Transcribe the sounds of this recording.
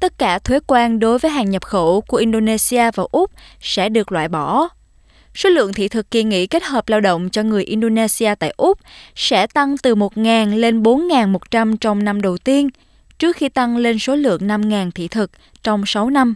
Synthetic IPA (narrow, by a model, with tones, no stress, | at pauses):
t̪ə˦˥t̚kaː˧˩t̪ʰwe˨˦kwaː˧nɗo˨˦jvəː˨˦jɦaː˨˩ŋɲə˨˩p̚xo˧˩ku˧˩əʔi˧nɗo˧ne˧si˧aː˧vaː˨˩ʔʊ˦˥k͡p̚sɛ̰˧˥ɗɨ˨˩ək̚lwa̰ː˧˨jɓɔ˧˩ | so˨˦lɨ̰˧˨əŋt̪ʰḭ˧˨t̪ʰɨ˨˩kːi˧ŋḭ˧˥ke˦˥t̚həː˨˩p̚laː˧wɗo̰˧˨wŋ͡mt͡ɕɔ˧ŋɨ˨˩əjʔi˧nɗo˧ne˧si˧aː˧t̪a̰ː˧˨jʔʊ˦˥k͡p̚sɛ̰˧˥t̪a˧ŋt̪ɨ˨˩mo˨˩t̚ŋaː˨˩nle˧nɓo˨˦nŋaː˨˩nmo˨˩t̚t͡ɕa˧mt͡ɕɔ˧wŋ͡mna˧mɗə˨˩wt̪i˧ən | t͡ɕɨ˦˥ək̚xi˧t̪a˧ŋle˧nso˨˦lɨ̰˧˨əŋna˧mŋaː˨˩nt̪ʰḭ˧˨t̪ʰɨ˨˩k̚ | t͡ɕɔ˧wŋ͡msa˨˦wna˧m